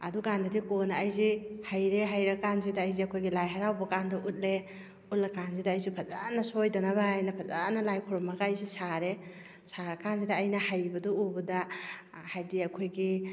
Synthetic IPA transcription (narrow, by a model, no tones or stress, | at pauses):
ɐ̰dukandɐdikonaːjzihajɾeɦajɾɐkanzidaːjziɐkʰojɡilajɦaɾawbɐkandɔʔut̚le | ut̚lakanzidaːjsupʰɐzanɐsojdɐnaβajnɐpʰɐzanɐlajkʰɔɾɔmaɡaːjsusaɾe | saɾɐkanzidaːjnɐhajbɐdɔubɐdɐ | hajdiɐkʰojɡi